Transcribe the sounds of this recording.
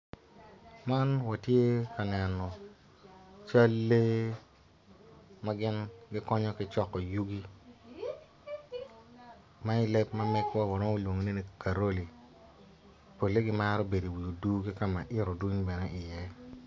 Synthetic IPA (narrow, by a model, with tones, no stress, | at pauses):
ma˦nwa˨tje˦ka˨nɛ˨nɔ˨ | t͡ʃa˦lːe˦ | ma˦ɡɪ˦nɡɪ˦kɔ˦ɲɔ˦kɪ˦t͡ʃɔ˦˨kːɔ˨ju˦ɡi˦ | ma˦ɪ˦lɛ˦p̚ma˦mɛ˦kwa˦wa˨no˦ŋo˦lwo˨ŋo˨ne˦ni˨ka˨ɾo˦li˨ | po˨lːe˦ɡɪ˦ma˦ɾɔ˦be˨di˨wu˨jo˨du˦ɡi˦ka˦ma˨ʔɪ˦ɾɔ˨du˦ɲbɛ˨nɛ˦ʔɪ˨jɛ˦